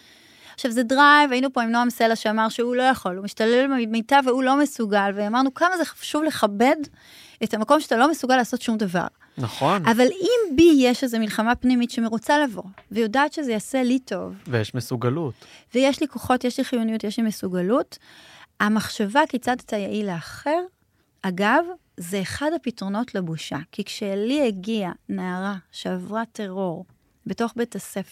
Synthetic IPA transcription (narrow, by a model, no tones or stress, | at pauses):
aχʃavzedʁajvainupo̞imnoamiselaʃeamaʁʃeulo̞jaχo̞lumiʃtalelmemitaveulo̞mesuɡalveamaʁnukamazeχḁʃuvleχabe̞d | etamako̞mʃeatalo̞mesuɡalːaːso̞tʃumdava̰ʁ | naχonavalimbijeʃezemilχamapnimitʃeme̞ʁut͡salavo̞̰vejodaːtʃe̞zejase̞lito̞vvejeʃmesuɡalutvejeʃliko̞χo̞tjeʃliχijunijutjeʃlimesuɡalut | amaχʃavakit͡sadetajaʔileaχe̞ʁ | aɡav | zeːχadhapitʁo̞no̞tlebuʃa̰kikʃeliheɡianaːʁaʃeavʁate̞ʁo̞ʁ | beto̞χbetasef